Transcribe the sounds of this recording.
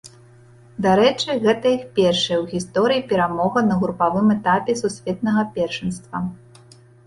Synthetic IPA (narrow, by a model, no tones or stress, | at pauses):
d̪aɾɛt͡ʂɨɣɛt̪ɐixpʲɛrʂɐjɐwɣʲist̪ɔɾɨjipʲɛɾamɔɣɐnɐɣɾupavɨmɛt̪apʲɛsusʲvʲɛt̪̚nɐɣɐpʲɛrʂɨnst̪vɐ